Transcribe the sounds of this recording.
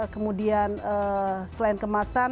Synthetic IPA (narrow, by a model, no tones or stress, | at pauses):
kəmudianəsəlaɪnkəmasa